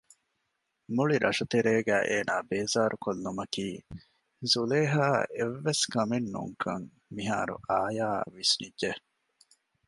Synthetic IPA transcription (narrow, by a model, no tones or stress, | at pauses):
muɭiɾʔɐʂɐt̪eɾeːɡæːʔeːnaːbeːzaːɾukolːumɐkiː | zuleːɦaːʔeʋːeskɐmenːṵŋkʰɐŋ | miɦaːɾṵʔaːja̰ːʋisnidʒe